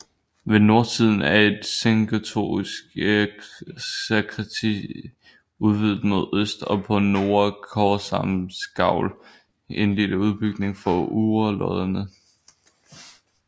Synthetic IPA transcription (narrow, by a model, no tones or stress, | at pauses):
ʋe̝no̝ɐt͡sʰið̞̰ˠn̩æɐe̝d̥seŋɡ̥æt͡sʰo̝̰ːisɡ̥ | sekʰʁɛt͡sʰḭ | uðˠʋið̰ˠd̥̩ˠmo̝ðˠøsd̥ɒ̽pʰɒ̽no̝ːɐkʰɒsɑmsɡ̥ɑ̈ʊ̰l | e̝nlid̥əuð̞ˠb̥yɡ̥ne̝ŋfɒuːɐlɒðˠənə